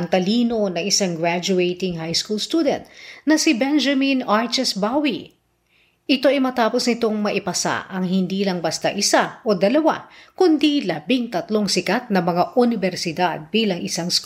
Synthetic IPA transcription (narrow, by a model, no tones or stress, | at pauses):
ŋt̪ɐliːno̞nɐŋɪsaŋɡɹad͡ʒʊejt̪ɪŋɦajskulst̪ud̪ɛ̰nt̪̚nɐsɪbɛnd͡ʒɐminaɹt͡ʃɛsbawi | ʔɪt̪o̞ɐjmɐt̪aːposnɪt̪o̞ŋmɐʔɪpɐsa̰ʔɐŋhɪnd̪iːlɐŋbɐst̪a̰ʔɪsaʔo̞d̪ɐlɐwa̰kʊnd̪ilɐbɪŋt̪ɐt̪lo̞ŋsɪkat̪̚nɐmɐŋaʔʊnɪbɛɾsɪd̪ad̪̚biːlɐŋɪsaŋsk